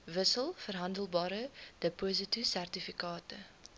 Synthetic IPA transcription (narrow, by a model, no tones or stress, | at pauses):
vəsəlˠfərɦɐndəlˠbɑːɾəd̥əpozətisærtifikɑːtə